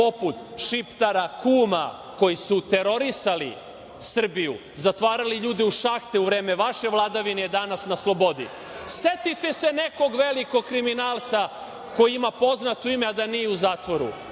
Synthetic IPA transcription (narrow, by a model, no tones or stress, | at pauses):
oput̪ʃipt̪aɾakuːma | ko̞jisut̪e̞ɾo̞ɾisalḭ | sr̩bijṵ | zat̪ʋaːɾaliʎuːd̪iuʃaxt̪euʋɾeːmeʋaʃe̞ʋlˠad̪aʋinejed̪anasnaslˠo̞bo̞d̪ḭ | set̪it̪e̞se̞neko̞ɡʋeliko̞ɡ̚kɾiminaːlˠt̪sa | ko̞jiimapo̞znat̪uimead̪anijeuzaːt̪ʋo̞ɾṵ